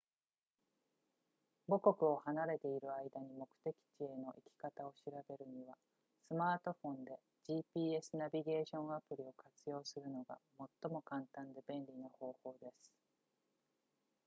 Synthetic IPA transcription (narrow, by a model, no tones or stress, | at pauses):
bo̞ko̞kɯ̟o̞hanaɾe̞t̪e̞iɾɯ̟aid̪aɲ̟imo̞kɯ̟̥t̪e̞kʲi̥t͡ɕie̞no̞ʔikʲi̥kat̪ao̞ɕiɾabe̞ɾɯ̟ɲ̟iβa | sɨmaːt̪o̞ɸõ̞nd̪e̞ | d͡ʑiːpʲiːe̞sɨnabʲiɡe̞ːɕõ̞ɰ̃apɯ̟ɾʲio̞kat͡sɨjo̞ːsɨɾɯ̟no̞ɡa̰mo̞t̪ːo̞mo̞kãnt̪ãnd̪e̞bẽ̞nɾʲinoho̞ːho̞ːd̪e̞sɨ̥